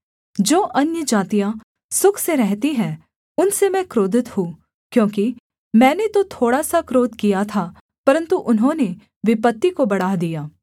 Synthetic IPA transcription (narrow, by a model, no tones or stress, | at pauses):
d͡ʒoːʔɐnjəd͡ʒaːt̪ijã | sʊkʰseɾɛɦt̪iɦɛ̃ | ʊnsemɛ̃kɾoːd̪ɪt̪ɦũ | kjõːki | mɛ̃ːnet̪ot̪ʰoːɽasakɾoːd̪kijat̪ʰa | pɐɾə̃nt̪uʔʊnɦõːne | ʋɪpət̪ːikobɐɽaːɦd̪ijaː